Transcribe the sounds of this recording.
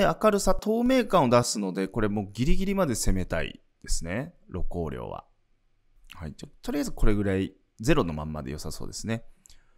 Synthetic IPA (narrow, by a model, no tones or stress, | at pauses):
eakaɾɯ̟sat̪o̞ːme̞ːkãɰ̃o̞d̪asɨno̞d̪e̞ko̞ɾe̞mo̞ːɡʲiɾʲiɡʲiɾʲimad̪e̞se̞me̞t̪aḭ | d̪̥e̞sɨne̞ | ɾʔo̞ko̞ːɾʲjo̰ːβa̰ | hait͡ɕotːt̪o̞ɾijazɨko̞ɾe̞ɡɯ̟ɾai | ze̞ɾo̞no̞mã̰mːa̰d̪ejo̞saso̞̰ːd̪e̞sɨne̞